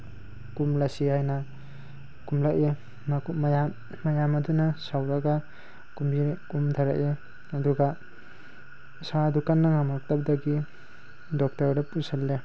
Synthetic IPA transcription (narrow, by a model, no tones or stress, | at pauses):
kumlasihajna | kumlaʔe | mmja | majamɐdunasawɾɐɡa | kumbikumtʰaɾa̰ʔe | ɐduɡa | sadukanːaŋamak̚tap̚daɡi | dɔk̚tɐɾdɐpusalːe